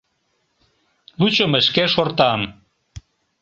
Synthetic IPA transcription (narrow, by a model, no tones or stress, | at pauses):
lut͡ɕoməʃkeʃort̪ɑm